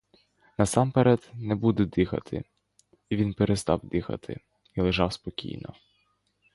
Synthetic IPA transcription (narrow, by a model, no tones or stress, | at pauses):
nɐsɑmpeɾɛd̪nɛbud̪ɛd̪ɪxɐ̰t̪ʰɪ̰ | iʋʲinpeɾʔest̪ɑwd̪ɪxɐ̰t̪ʰɪ̰ | ilˠeʒɑwspɔkʲḭjnɔ̰